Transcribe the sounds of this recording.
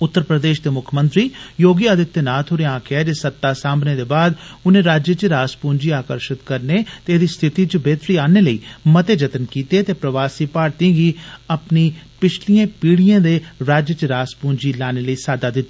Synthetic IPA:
ʊt̪ːəɾpɾəd̪eːʃd̪eːmʊkʰmənt̪ɾiːjoːɡiːəd̪ɪt̪ːenaːt̪ʰʊɾeãːkʰɪɛːd͡ʒeːsət̪ːaːsãːmbneːd̪eːbaːd̪ʊnẽːɾaːd͡ʒjət͡ʃɾaːspuːnd͡ʒiːaːkəɾʃɪt̪kəɾneːt̪ed̪iːst̪ʰɪt̪iːt͡ʃəbeːt̪ɾiːaːneːləiːmət̪eːd͡ʒət̪ənkiːt̪eːt̪eːpɾəʋaːsiːpaːɾt̪ĩːɡiːəpniːpɪt͡ʃʰlijãːpiːɽɪjãːd̪eːɾaːd͡ʒjət͡ʃɾaːspuːnd͡ʒiːlaːneːləiːsaːd̪aːd̪ɪt̪ːa

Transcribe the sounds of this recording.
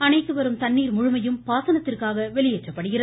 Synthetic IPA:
ɐnɐɪkːɯʋɐɾɯmt̪ɐnːiːɾmʊɻʊmɐjɯmpaːsɐnɐt̪ːɪrkaːɣɐʋɛɭɪjɛːʈrɐpːɐɽɯɣɪrɐð

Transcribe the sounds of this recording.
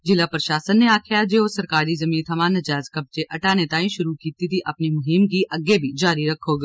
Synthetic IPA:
d͡ʒɪlapɾʃaːsənːeaːkʰɪjad͡ʒeoːsɐɾkaːɾizɐmiːt̪ʰɐmaːnːɐd͡ʒaːzkɐb̚t͡ʃeʔɐʈaːnet̪aːĩʃʊɾukiːt̪it̪ʰiʔɐpnimʊɦɪmkiʔɐɡebʱid͡ʒaːɾiɾɐkʰoːɡ

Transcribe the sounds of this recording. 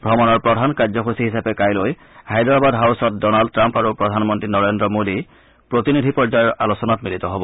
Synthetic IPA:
bʱɹɔmɔnɔɹpɹɔdʱankazɔxosiɦisapɛkajloj | hajdɹabadɦawsɔt̚dɔnaldtɹampaɹupɹɔdʱanmɔntɹinɔɹendɹɔmodi | pɹotinidʱipɔɹzajɔɹʔalosɔnatmilitɔɦɔbɔ

